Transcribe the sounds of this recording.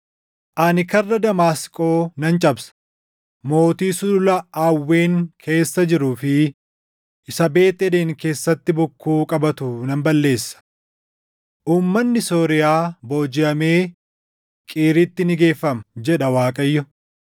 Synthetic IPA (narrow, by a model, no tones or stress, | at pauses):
ʔɐnɪkɐrːɐd̪ɐmaːskʼo̞ːnɐnt͡ʃʼɐbsɐ̥ | mo̞ːt̪iːsʊʊlɐaːwːe̞ːŋkʰe̞ːsːɐd͡ʒɪɾʊːfɪ | ʔɪsɐbe̞ːt̪ːɛd̪eːŋke̞ːsːɐt̪ːɪbʊkːuːkʼɐbɐt̪ʊnɐmbɐlːe̞ːsːɐ̥ | ʔuːmːɐnːɪso̞ːɾɪjaːbo̞ːd͡ʒɪɐme̞ː | kʼiːɾɪt̪ːɪnɪɡe̞ːfːɐmɐd͡ʒɛᶑɐwaːkʼɐjːʊ